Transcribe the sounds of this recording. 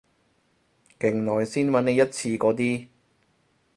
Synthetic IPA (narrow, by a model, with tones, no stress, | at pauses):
kɪ˨˩ŋnɔː˨jsiː˥nmɐ˨˥ne˨˧jɐ˥t̚t͡sʰiː˧kɔː˨˧˥t̪̬iː˥